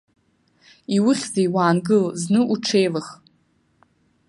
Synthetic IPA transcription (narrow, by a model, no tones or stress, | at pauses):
iwʊχʲzajwaːnɡɨlznɨʔuʈ͡ʂʰejlaχ